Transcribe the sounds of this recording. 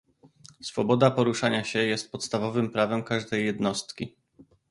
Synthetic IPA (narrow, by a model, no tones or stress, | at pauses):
sfɔbɔd̪apɔɾuʂaɲaɕɛjɛst̪̚pɔt̪st̪avɔvɘmpɾavɛmkaʐd̪ɛjːɛd̪nɔst̪kʲi